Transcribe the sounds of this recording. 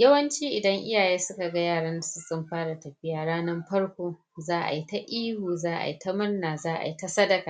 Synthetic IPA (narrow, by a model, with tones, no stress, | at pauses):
jɐ˦wɐ˦nt͡ʃiː˦ʔɪ˨dɐ˦ŋʔɪ̰˦jaː˨jeː˦sʊ˦ka˨ɡa˦jaː˦˨ɽɐ˦nda˨su˦sʼʊ˦mɸaː˦ɽa˨tɐ˨ɸɪ˦jaː˨ɽaː˦nɐ˦mɸɐ˦rkʷoː˦ | zaː˦ʔa̰˨ji˦ta˦ʔiː˦huː˨zaː˦ʔa̰˨ji˦ta˦mɐ˦rnaː˨zaː˦ʔa̰˨ji˦ta˦sɐ˦dɐ˨˦kaː˨